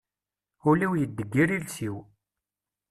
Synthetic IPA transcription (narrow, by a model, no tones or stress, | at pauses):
ʊlæwjəd̪ːəɡːiɾilsiw